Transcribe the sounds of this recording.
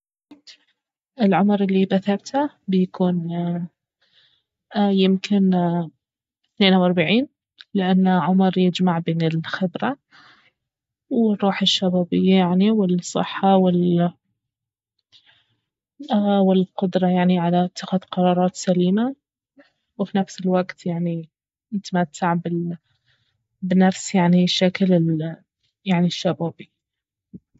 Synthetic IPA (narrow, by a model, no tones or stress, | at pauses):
ʔɪlʕʊmɾʔɪlːibaθɑɾt̪ha | bjakʰuːn | jɪmkʰɪn | θneːnawʔɑɾˤbaʕiːn | lɪʔanːʕʊmɾjɪd͡ʒmaʕbeːnɪlxɪbɾa | wɪɾˤːuːħɪʃːabaːbɪjːajaʕniwɪlsˤːɨ̰ħːawɪl | wɪlqʊd̪ɾˤɑjaʕniʕalaʔɪt̪ːaxaðqɑɾˤɑːɾˤɑːt̪saliːma | wfinafsɪlwaɡt̪jaʕni | nɪt̪amat̪ʰːaʕbɪ | bnafsjaʕniʃaklɪ | jaʕniʃːabaːbi